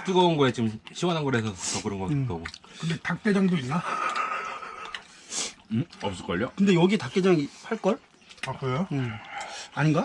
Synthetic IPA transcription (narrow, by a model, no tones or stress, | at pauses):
t͈uɡʌunɡʌet͡ɕɯmɕʰiwananɡʌɾesʰʌtʌɡ͈ɯɾɯnɡʌkik͈aɡokɯnde̞tak̚t͈ed͡ʑaŋdoinːa | ʌp̚s͈ɯɭk͈ʌʎːokɯnde̞jʌɡitak̚t͈e̞d͡ʑaŋipʰaɭk͈ʌɭ | akɾejo | aɲinɡa